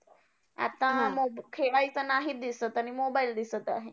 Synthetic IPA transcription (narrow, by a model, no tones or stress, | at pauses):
a̰t̪ːãmobkʰeajsanaɦid̪isət̪añimobaild̪isət̪a̰ɦe